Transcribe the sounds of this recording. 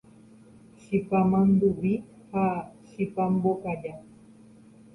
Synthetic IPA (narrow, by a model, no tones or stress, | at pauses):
ʃipamand̪ubi | haʃipambokaʎa